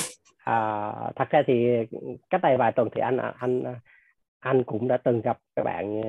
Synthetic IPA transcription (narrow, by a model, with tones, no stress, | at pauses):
ʔəː˨˩t̪ʰə˨˩k̚saː˧t̪ʰi˨˩kaː˦˥t̚ɗə˨˩jvaː˨˩jt̪wə˨˩nt̪ʰḭ˨˩ʔa˧ŋ̟ʔʔa˧ŋ˧˩ | ʔa˧jŋ̟kʊ̰˧˥ŋ͡mɗa̰ː˧˥t̪ɨ˨˩ŋɣə˨˩p̚kaː˦˥k̚ɓa̰ː˧˨n˧